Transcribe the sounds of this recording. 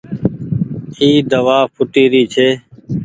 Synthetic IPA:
hiːd̪əʋaːpʰʊʈiːɾiːt͡ʃʰeː

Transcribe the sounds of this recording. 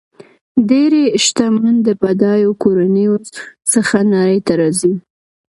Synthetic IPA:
deɾeʃt̪amand̪əpad̪ɑjokoɾanəjosəxanaɾəjt̪aɾɑzi

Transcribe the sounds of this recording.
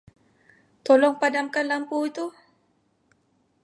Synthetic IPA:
t̪ɔlɔŋpadamkanlampuit̪u

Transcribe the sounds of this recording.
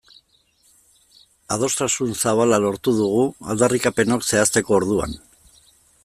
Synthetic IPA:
að̞o̞st̪asunsaβalalo̞ɾt̪uðuɣ̞ua̰ld̪arikape̞no̞kse̞ast̪e̞ko̞ːɾð̞ua̰n

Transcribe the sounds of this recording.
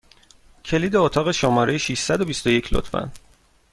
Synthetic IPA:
cʰe̞liːd̪e̞ot̪ʰɒːɣeʃomɒːɾe̞jeʃiʃsæd̪o̞bist̪o̞je̞cʰlo̰t̪fæ̰n

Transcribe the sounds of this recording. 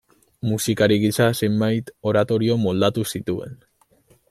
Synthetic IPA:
musikaɾiɣisase̞mbajt̪o̞ɾat̪o̞ɾio̞mo̞ld̪at̪usit̪ue̞̰n

